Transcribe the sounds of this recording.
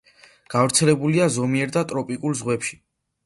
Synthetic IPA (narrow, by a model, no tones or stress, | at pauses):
ɡ̥avɾt̪sʰɛlɛbuliazɔmiɛɾd̪at̪ʼɾɔpʼikʼulzʁwɛpʃi̥